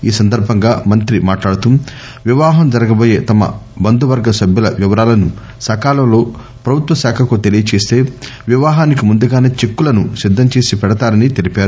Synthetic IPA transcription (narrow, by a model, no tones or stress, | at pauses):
iːsɐnd̪ɐɾbʱɐŋɡaːmɐnt̪ɾimaːʈlaːɽut̪um | ʋiʋaːɦɐmd͡ʒɐɾɐɡɐbo̞ːje̞ːt̪ɐmɐ̰bɐnd̪uʋɐɾɡɐsɐbʱjulɐʋiʋɐɾaːlɐnu | sɐːkaːlɐmlo̞ː | pɾɐbʱut̪ʋɐsaːkʰɐkut̪e̞lijɐt͡ʃe̞ːst̪e̞ːʋiʋaːɦaːnik̬imund̪uɡaːneːt͡ʃe̞kːulɐnusid̪ːɐmt͡ʃe̞ːsipɛɽɐt̪aːɾɐnit̪elipaːɾu